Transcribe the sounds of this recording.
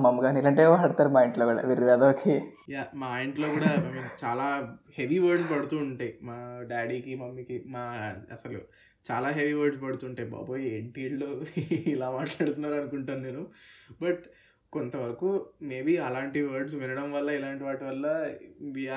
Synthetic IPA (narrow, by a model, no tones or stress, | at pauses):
mɐmːɡaːnilɐɳʈeːʋɐɽt̪aːɾumaːjiɳʈloːkuːɽa̰ːʋiɾiʋaːd̪oːkʰijaːmaːjiɳʈlo̞ːkuːɽaːmet͡ʃaːlaːheʋiʋɐːɾɖspɐɽut̪uːɳʈemaːɖaːɽiːkimɐmːikimaːɐsɐlo̰ | t͡ʃaːlaːɦeʋiʋɐːɾɖspɐɽut̪uːɳʈeːba̰ːboːjieɳʈiːɽloːilaːmaːʈlaːɽut̪unːaːɾuɐnukuɳʈaːnneːnubɐʈ | kont̪ɐʋɐɾɐkuːme̞ːbiɐlaːɳʈiʋɐːɾɖsʋinɐɽɐmʋɐlːɐilaːɳʈiʋaːʈuʋɐlːɐʋiːa